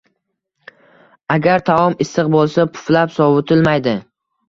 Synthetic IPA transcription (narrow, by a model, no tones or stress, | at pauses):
aɡʲaɾt̪ʰavɒmɪsɨqbolˠsapʰʊ̥flapsɒvʊt̪ʰɪlmajd̪ɪ